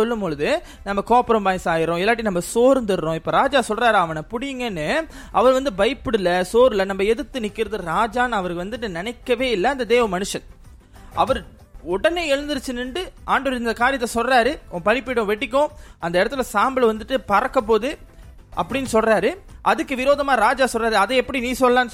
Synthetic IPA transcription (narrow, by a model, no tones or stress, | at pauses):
ɔlːɯmbɔɻɯðɯ | nɐmːɐkoːpɐɾɐ̃mbaːjsaːjɪɾõɪlːaːʈ̬ːinɐmːɐsoːɾnd̪ɯɾɾõːɪpːoːɾaːd͡ʒaːsɔlraːɾaːʋɐnɐpʊɽɪjɯŋɡɐnːɯ | ʔɐʋɐɾʋɐnd̪ɯbɐjpːɯɽɯlːɐsoːɾɯlɐnɐmːɐɛðɯt̪ːɯnɪkːɪɾɐðɯɾaːd͡ʒaːnɐʋɐɾɯkːɯʋɐnd̪ɯʈːɯnɪnɐɪkːɐʋeːɪlːɐɐnd̪ɐd̪eːʋɐmɐnɯʂɐn | ʔɐʋɐɾ | ɔɽɐneːɛɻɯnd̪ɯɾɯt͡ʃːɯnːɯɳɖɯʔaːɳɖɐʋɾɪnd̪ɐkaːɾɪjɐt̪ːɐsɔlraːɾɯʔɔ̃ːpɐɳɪpːɪɽʊ̃ʋɛʈːɪkːʊ̃ʔɐnd̪ɐɪɽɐt̪ːɯlɐsaːmbɐlʋɐnd̪ɯʈːɯpɐɾɐkːɐp̬oːðɯ | ʔɐpːɐɽɪnːɯsɔlraːɾɯʔɐðɯkːɯʋɪɾoːðɐmaːɾaːd͡ʒaːsɔlraːɾɯɐðɛɛpːɐɽiniːsɔlːɐlaːnː